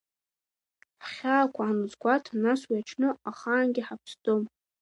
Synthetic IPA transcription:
ħχʲaːkʷʰaʕanɨzɡʷatʰnaswiat͡ʃʰnɨaχaːnɡʲɪħapʰsdʼom

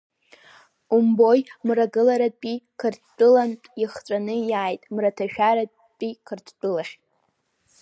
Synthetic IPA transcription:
umbo̞jmraɡɨlaɾad̚pʼikʰɨrtʰt͡pʼɨlanʼiχt͡sʷʼanɨjaːjtʼmratʰaʃᶣaɾad̚ | pʼikʰɨrtʰt͡pʷʼɨlaχʲt

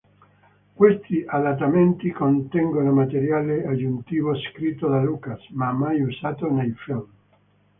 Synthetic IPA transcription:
kwest̪iʔad̪at̪̬ːament̪ikont̪ɛŋɡonomat̪eɾjaːlead͡ʒunt̪iːvoskɾit̪ːod̪alukasmamːajusaːt̪onejfilm

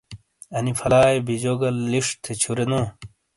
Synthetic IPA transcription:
ɐnifɐlaːjbid͡ʑoɡɐlːiʂt̪ʰːet͡ɕʰuɾenoː

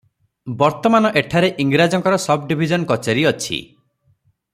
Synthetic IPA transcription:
bɔɾt̪ɔmanɔʔeʈʰaɾeʔiŋɡɾad͡ʒɔŋkɔɾɔsɔb̚ɖibʱid͡ʒɔnkɔt͡ʃeɾiɔt͡ʃʰḭ

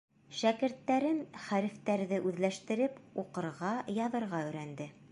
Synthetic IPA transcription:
ʃækɘ̆ɾt̪ːæɾɘnχæɾɘ̆ft̪æɾðɘʔʉðlæʃt̪ɘ̆ɾɘpuqɤ̆ɾʁɑjɑðɤ̆ɾʁɑɵ̆jɾænd̪ɘ

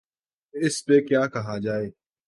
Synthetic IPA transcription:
ɪspekjaːkɐɦaːd͡ʒaːeː

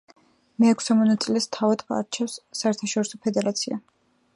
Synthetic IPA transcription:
mɛːkʰsɛmɔnat̪sʼilɛst̪ʰavad̪ka̰ɾt͡ʃʰɛsːaɛɾt̪ʰaʃɔɾisɔpʰɛd̪ɛɾat̪sʰia

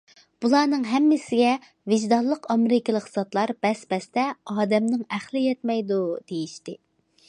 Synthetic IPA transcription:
b̥ulˠɑːnɨŋɦɛmːɪsɪɡʲɛ | vɪʒd̪ɑlˠːəqɑmɪɾɪkʲɪlˠəqsɑt̪lˠɑɾb̥ɛsbɛst̪ɛɑːd̪ɛmnɪŋæχlˠɪjɛt̪mɛjd̪ud̪̥ejiʃt̪ɪ

